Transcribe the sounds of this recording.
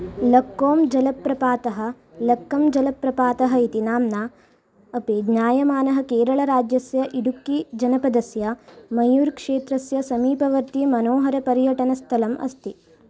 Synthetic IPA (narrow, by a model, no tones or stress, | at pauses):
lɐkːoːmd͡ʒɐlɐpɾɐpaːt̪ɐɦɐ̆ | lɐkːɐmd͡ʒɐlɐpɾɐpaːt̪ɐɦɐit̪inaːmna | ɐpedɲaːjɐmaːnɐɦɐ̆keːɾɐɭɐɾaːd͡ʒjɐsjɐʔiɽukːid͡ʒɐnɐpɐd̪ɐsjɐmɐjuːɾkʂeːt̪ɾɐsjɐsɐmiːpɐʋɐɾt̪imɐnoːɦɐɾɐpɐɾjɐʈɐnɐst̪ʰɐlɐmʔɐ̰st̪i